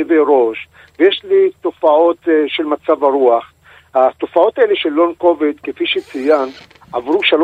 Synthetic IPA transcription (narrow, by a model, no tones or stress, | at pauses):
veɾo̞ʃ | vejeʃlit̪o̞fao̞t̪ʃelmat͡savaʁuaχ | hat̪o̞fao̞t̪aeleʃelːonko̞vet̪kefiʃet͡sijan | avʁuʃal